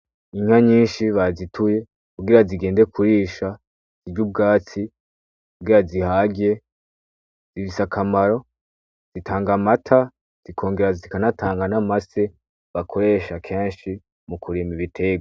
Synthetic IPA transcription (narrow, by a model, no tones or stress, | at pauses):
iŋ̥haɲiːnʃiβazitʰuje̞ | kuɡiɾaziɡe̞ːnde̞kʰuɾiːʃa | z̥iɟub̚ɡaːt͡si | kuɡiɾazihaɡe | z̥ifisakʰamaɾo̞ | z̥itʰaːŋɡamatʰa | z̥ikʰo̞ːŋɡe̞ɾazikanatʰaːŋɡanamase̞ | βakʰo̞ɾe̞ʃakʰe̞ːnʃi | mukʰuɾimiβitʰe̞ɡ